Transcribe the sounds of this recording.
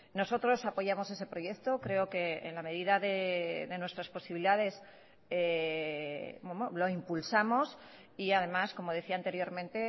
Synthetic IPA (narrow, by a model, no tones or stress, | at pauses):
no̞so̞t̪ɾo̞sapo̞ʝamo̞se̞se̞pɾo̞je̞kt̪o̞kɾe̞oke̞̰ːnlame̞ð̞iðaðeðe̞nwe̞st̪ɾaspo̞siβliðaðe̞s | e | bwemolo̞impulsamo̞s | iaðe̞masko̞mo̞ð̞e̞θiaːnt̪e̞ɾjo̞ɾmẽnt̪e̞